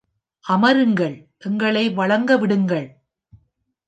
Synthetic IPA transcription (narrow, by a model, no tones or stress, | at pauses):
ʔɐmɐɾɯŋɡɐɭʔɛŋɡɐɭɐɪʋɐɭɐŋɡɐʋɪɽɯŋɡɐɭ